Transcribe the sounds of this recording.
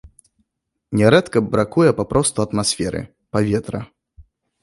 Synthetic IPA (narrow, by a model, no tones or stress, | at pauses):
nʲɛɾɛt̪kɐbɾakujɛpapɾɔst̪uɐt̪masʲfʲɛɾɨ̰ | pavʲɛt̪ɾɐ